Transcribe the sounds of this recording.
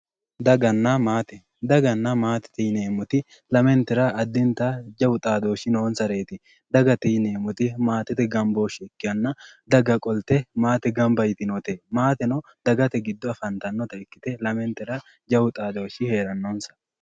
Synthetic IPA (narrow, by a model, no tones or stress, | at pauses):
d̪ɐɡɐnːamaːt̪ɛ | d̪ɐɡɐnːɐmaːt̪ɛ̥t̪ɛjneːmʊt̪ɪ | lɐmɛnt̪ɪɾɐʔɐd̪ːɪnt̪ad͡ʒɐwʊt̪ʼaːd̪o̞ːʃɪnoːnsɐɾe̞ːt̪ɪ | d̪ɐɡɐt̪ɛjneːmʊt̪ɪmaːt̪ɛt̪ɛɡɐmbo̞ːʃɪɛkːɪjɐnːɐd̪ɐɡɐkʼɔlt̪ɛmaːt̪ɛɡɐmbɐjt̪ɪnot̪emaːt̪ɛnɐ | d̪̥ɐɡɐt̪ɛɡɪd̪ːɔɐfɐnt̪ɐnːɔt̪ɐɪkːɪt̪ɛlɐmɛnt̪ɛɾɐ | d͡ʒɐwʊt̪ʼaːd̪o̞ːʃɪhe̞ːɾɐnːoːnsɐ̥